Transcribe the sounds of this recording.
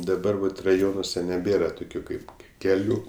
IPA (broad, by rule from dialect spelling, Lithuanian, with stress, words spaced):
dɐˈbɐr ʋɐt rɐˈjoːnuɔsʲɛ nʲɛˈbʲeːrɐ toːˈkʲuː ˈkɐɪp kʲɛˈlʲuː